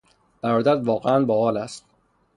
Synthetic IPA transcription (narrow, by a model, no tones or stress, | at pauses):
b̥æɾɒːd̪æd̪vɒːɣeænbɒːhɒːlæst̪